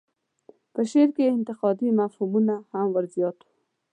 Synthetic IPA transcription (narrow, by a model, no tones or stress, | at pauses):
pəʃeɾkeɪnt̪ɪqɑd̪imafhumunahamwəɾzjɑt̪u̥